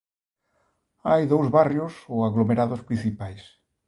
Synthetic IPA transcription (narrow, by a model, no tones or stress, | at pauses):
ajðowzβarjʊsoaɣlomeɾaðʊspɾĩn̟θipajs